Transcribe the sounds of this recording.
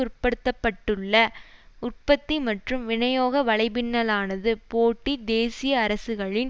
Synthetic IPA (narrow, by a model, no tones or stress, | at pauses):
ʊrpːɐɽɯt̪ːɐpːɐʈːɯɭːɐ | ʊrpɐt̪ːimɐʈrɯmʋɪɳɐjoːɣɐʋɐɭɐɪbɪnːɐlaːnɐðɯpoːʈːid̪eːsɪjɐːɾɐsɯɣɐɭɪn